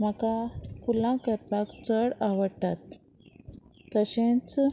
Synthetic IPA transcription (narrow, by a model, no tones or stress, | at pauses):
m̤əkapulãkəɾpakt͡səɽaʋəɽt̪at̪̚ | əɕẽt͡s